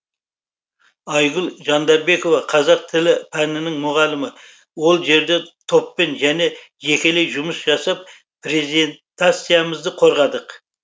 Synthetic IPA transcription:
ɑjʁʊlˠʒɑnd̪ɑɾbe̞ko̞vɑqʰɑzɑq̚t̪ʰɪlɪpʰænɪnɪŋmʊʁɑlˠɪmɪ | wo̞lˠʒe̞ɾd̪e̞t̪ʰo̞pːe̞nʒæne̞ | ʒe̞kʲe̞le̞jʒʊməsʒɑsɑp̚ | pɾe̞zient̪at̪sijaməzd̪əqʰo̞ɾʁɑd̪əq

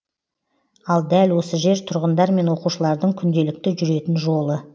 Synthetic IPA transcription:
ɑlˠd̪ælwo̞səʒe̞ɾt̪ʰʊɾʁənd̪ɑɾme̞nwo̞quʃəlˠɑɾd̪əɴkʲʰʏnd̪e̞lɪk̚t̪ɪʒʏɾe̞t̪ɪnʒo̞lˠə

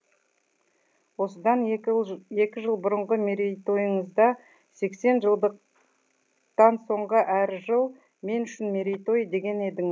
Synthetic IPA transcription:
wo̞səd̪ɑn | e̞kʲɪʒəlˠbʊɾəɴʁəmeɾejt̪o̞jəɴəzd̪ɑ | se̞kse̞nʒəlˠd̪əq | t̪ɑnso̞ɴʁəʔæɾʒəlˠ | me̞nʏʃɪnmeɾʲejt̪o̞jd̪e̞ɡʲe̞ne̞d̪ɪŋ

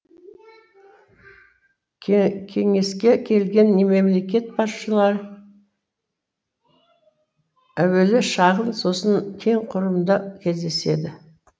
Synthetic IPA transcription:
kʲʰe̞ŋe̞skʲe̞kʲʰe̞lɡʲe̞nːeme̞mle̞k̬ʲe̞t̪̚pʰɑʃəlˠɑɾ | æwe̞lɪʃɑʁənso̞sənkʲʰe̞ŋqʰʊɾəmd̪əkʲʰe̞zd̪e̞se̞̰d̪ɪ

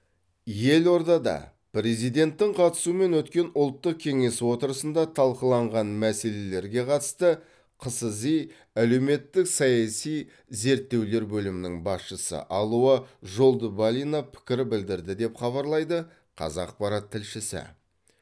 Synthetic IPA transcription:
je̞lo̞ɾd̪ɑd̪ɑ̰ | pɾe̞zijd̪e̞nt̪ːɪŋqʰɑt̪ə̥suəme̞nwɵt̪kʲe̞nʊlˠt̪ːəq̚kʲʰe̞ŋe̞swo̞t̪əɾəsənd̪ɑt̪ʰɑlˠqəlˠɑɴʁɑnmæse̞le̞le̞ɾɡʲe̞qʰɑt̪ə̥st̪ə | qʰəsəzij | æle̞wme̞t̪ːɪksɑjɑsij | ze̞ɾt̪ːe̞wle̞ɾbɵlɪmɪnɪŋbɑsʃəsə̰ʔɑlˠuəʒo̞lˠd̪əbalʲinapʰɪ̥kʲɪɾɪbɪld̪ɪɾd̪ɪd̪e̞pχɑβɑɾlˠɑjd̪ə | qʰɑ̰zɑq̚pɑɾɑt̪ʰːɪlʃɪsɪ̰

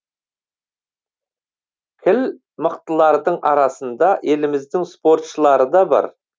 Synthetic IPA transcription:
kʲʰɪl | məqt̪əlˠɑɾd̪əɴɑɾɑsənd̪ɑʔe̞lɪmɪzd̪ɪŋspo̞ɾt̪ʃəlˠɑɾəd̪ɑbɑ̰ɾ

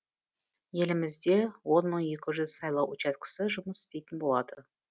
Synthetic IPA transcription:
je̞lɪmɪzd̪e̞wo̞nməɴje̞kʲɪʒʏzsɑjlˠɑwʔʊt͡ʃɑt̪kʰə̥səʒʊməsɪ̥st̪e̞jt̪ɪnbo̞lˠɑd̪ə

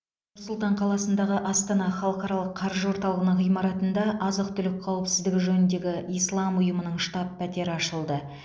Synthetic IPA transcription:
nʊɾsʊlˠt̪ɑɴqʰɑlˠɑsənd̪ɑʁəʔɑst̪ɑnɑχɑlˠəqɑɾɑlˠəqʰːɑɾʒəwo̞ɾt̪ɑlˠəʁənəɴʁijmɑɾɑt̪ənd̪ɑʔɑzəq̚t̪ʰʏlɪk̚ʲqʰɑwɪpsɪzd̪ɪɡʲɪʒɵnɪnd̪e̞ɡʲɪijslˠɑmʊjəmənəɴʃt̪ɑpʰːæt̪e̞ɾɪɑʃəlˠd̪ə

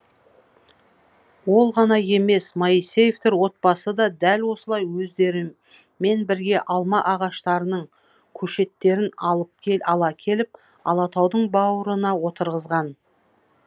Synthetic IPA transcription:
wo̞lˠʁɑnɑje̞me̞smɑisejeft̪eɾwo̞t̪̚pɑsəd̪ɑd̪ælwo̞səlˠɑjwɵzd̪e̞ɾɪ | mːe̞nbɪɾɡʲe̞ʔɑlˠmɑʔɑʁɑʃt̪ɑɾənəɴ | kʲʰɵʃe̞t̪ːe̞ɾɪnɑlˠəp̚kʲʰeɑlˠɑkʲʰe̞lɪp̚ | ɑ̰lˠɑt̪ʰɑwd̪əɴbɑwəɾənɑwo̞t̪əɾʁəzʁɑn

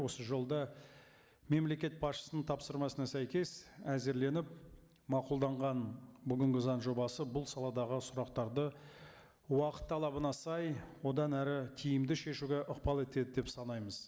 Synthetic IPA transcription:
wo̞səʒo̞lˠd̪ɑ | me̞mle̞kʲe̞t̪̚bɑsʃə̥sənəɴt̪ʰɑpsəɾmɑsənɑsæjkʲe̞sæze̞ɾle̞nɪp̚ | mɑqulˠd̪ɑɴʁɑnbʏɡʲɪŋɡʲɪzɑnʒo̞bɑsəbʊlˠsɑlˠɑd̪ɑʁəsʊɾɑqt̪ɑɾd̪ə | wɑqə̥t̪ʰːɑlˠɑbənɑsɑjwo̞d̪ɑnæɾɪt̪ʲʰijɪmd̪ɪʃe̞ʃuɡʲe̞ʔəqpɑlˠe̞t̪e̞d̪ɪd̪e̞psɑnɑjməz̥

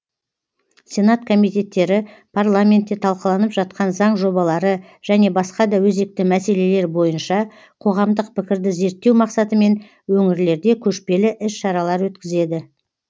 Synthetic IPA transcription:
sʲe̞nat̪kʰo̞mijt̪e̞t̪ːe̞ɾɪ | pʰarlˠamʲe̞nt̪ːe̞t̪ʰɑlˠqəlˠɑnəpʒɑt̪̚qɑnzɑɴʒo̞bɑlˠɑɾə | ʒ̥æne̞bɑsqɑd̪ɑwɵze̞k̚t̪ɪmæse̞le̞le̞ɾbo̞jənʃɑ | qʰo̞ʁɑmd̪əq̚pɪkʲɪɾd̪ɪze̞ɾt̪ːe̞wmɑqsɑt̪əme̞n | wɵŋɪɾle̞ɾd̪e̞kʲʰɵʃpe̞lɪʔɪsʃɑɾɑlˠɑɾwɵt̪kʲɪze̞d̪ɪ

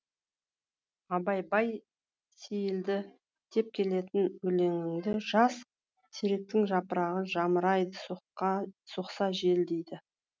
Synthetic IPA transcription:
ɑbɑjbɑj | sejɪld̪ɪ | t̪ʰe̞p̚kʲʰe̞le̞t̪ɪnwɵle̞ŋɪŋd̪ɪʒɑs | sʰeɾe̞k̚t̪ɪŋʒɑpəɾɑʁəʒɑməɾɑjd̪əs | suqsɑʒe̞ld̪ejd̪ɪ

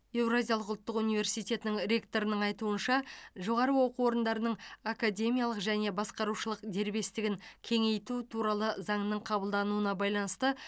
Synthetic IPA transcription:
e̞wrazʲijalˠəqʊlˠt̪ːəqunijvʲe̞ɾsijt̪ʲe̞t̪ɪnɪŋɾʲe̞kt̪o̞ɾənəɴɑjt̪uənʃɑʒo̞ʁɑɾəwo̞quwo̞ɾənd̪ɑɾənəɴakad̪ʲe̞mijalˠəqʒæne̞bɑsqɑɾuʃəlˠəqd̪e̞ɾbe̞st̪ɪɡʲɪŋkʲʰe̞ŋe̞jt̪ut̪ʰuɾɑlˠəzɑɴnəɴqʰɑbəlˠd̪ɑnuənɑbɑjlˠɑnəst̪ə

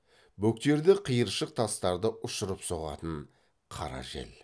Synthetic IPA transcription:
bɵk̚t̪e̞ɾd̪ɪqʰijəɾʃəq̚t̪ʰɑst̪ɑɾd̪əʔʊʃʊɾəpso̞ʁɑ̰t̪əɴ | qʰɑ̰ɾɑ̰ʒḛl

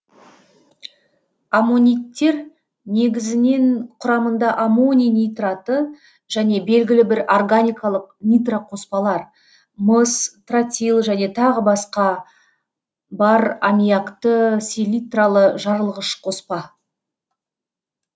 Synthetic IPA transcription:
amonʲijt̪ːe̞ɾ | ne̞ɡʲɪzɪne̞nqʰʊɾɑmənd̪ɑʔamonʲijnʲijt̪rat̪ə | ʒ̥æne̞be̞lɡʲɪlɪbɪɾorɡanʲijkalˠəq̚nʲijt̪raqʰo̞spɑlˠɑɾ | məst̪rat̪ʲilˠʒæne̞t̪ʰɑʁəbɑsqɑ | bɑɾamʲijakt̪əsʲelʲit̪ralˠəʒɑɾəlˠʁəʃqʰo̞spɑ

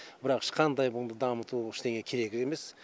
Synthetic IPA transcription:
b̥ɪɾɑqɪ̥ʃqʰɑnd̪ɑjbʊnd̪əd̪ɑmət̪uɪʃt̪e̞ŋe̞kʲʰe̞ɾe̞ɡʲɪe̞me̞s

